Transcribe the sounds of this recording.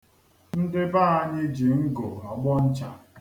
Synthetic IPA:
n̩˦dɪ˦baː˦˨a˦ɲɪ˦d͡ʒi˨ŋ̩˦ɡo˨a˨ɡ͡bɔ˦n̩˦t͡ʃa˨

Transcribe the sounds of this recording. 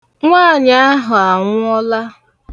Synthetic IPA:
ŋʷa˦˨ɲa˦a˦ɦʊ˨a˨ŋʷʊ˦ɔ˦la˦

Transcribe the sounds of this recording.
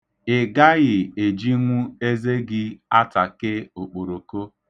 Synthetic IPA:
ɪ˨ɡa˦ɣɪ˨e˨d͡ʒi˦ŋʷu˦e˦ze˦ɡɪ˦a˦ta˨kɪ˦o˨k͡po˨ɾo˨ko˦

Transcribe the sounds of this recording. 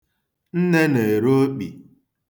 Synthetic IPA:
n̩˦ne˦ne˨ɾo˦k͡pḭ˨

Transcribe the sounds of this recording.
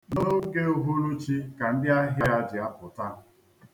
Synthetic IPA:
no˦ke˦o˦ɦu˦ɾu˦t͡ʃi˦ka˨n̩˦dɪ˦a˦ɦja˦a˦d͡ʒɪ˨a˦pʊ˨ta˦

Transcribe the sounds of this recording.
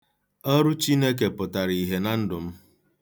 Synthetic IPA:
ɔ˦ɾʊ˦t͡ʃi˦ne˦k̬e˨pʊ˨ta˨ɾi˨ɦe˨na˦n̩˦dʊ˨m̩˦

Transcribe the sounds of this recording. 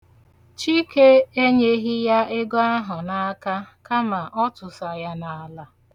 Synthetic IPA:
t͡ʃi˦ke˦e˦ɲe˦ɦi˦ja˦ʔɪ˦ɡɔ˦a˦ɦʊ˨na˦a˦ka˦ka˦ma˨ʔɔ˦tʊ˨sa˨ja˦na˨a˨la˨

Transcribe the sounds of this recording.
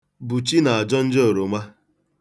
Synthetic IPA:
bu˨t͡ʃi˦na˨a˨d͡ʒɔ˦n̩˦d͡ʒo˨ɾo˨ma˦

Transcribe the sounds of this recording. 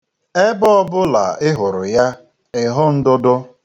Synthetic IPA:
e˦bɔ˦ɔ˦bʊ˦la̰˨ɪ˦ɦʊ˨ɾʊ˨ja˦ | ɪ˨ɦʊ˦n̩˦dʊ˦dʊ˦

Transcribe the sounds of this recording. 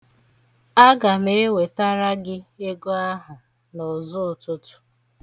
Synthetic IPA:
a˦ɡa˨me˦e˦we˨ta˦ɾa˦ɡɪ˦e˦ɡo˦a˦ɦa˨ | nɔ˨zʊ˦˨tʊ˦tʊ̥˦

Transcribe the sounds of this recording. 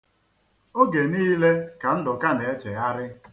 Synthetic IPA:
o˦ɡe˨niː˦le˦ka˨n̩˦dɔ˨ka˦ne˨e˦t͡ʃe˨a˦ɾɪ˦

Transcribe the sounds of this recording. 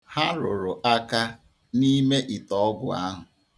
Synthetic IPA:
ha˦ɾʊ˨ɾʊ˨ʔa˦ka˦ | ni˦me˦ʔi˨tɔ˦ɡʊ˨a̰˦ɦʊ˨

